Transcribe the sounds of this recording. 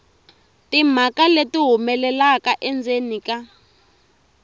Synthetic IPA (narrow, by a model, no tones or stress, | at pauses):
tim̤akaletiɦumɛlɛlakaʔɛnd͡zenika